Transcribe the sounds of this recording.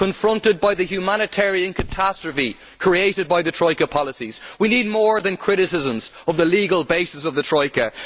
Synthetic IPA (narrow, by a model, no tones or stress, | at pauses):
ə̃ɱfɹʌ̃ntɪd̚baɪðəhjumanɨtʰɛɹiə̃nkʰətʰastɹ̥əfi | kʰɹ̥ieɪɾɨd̚baɪðətʰɹ̥ɔɪkəpʰɑləsiz̥winid̚mɔːɹðə̃nkʰɹ̥ɪɾɪsɪzə̃mzʌvðəliɡəlˠbeɪsəsʌvðətʰɹ̥ɔɪkə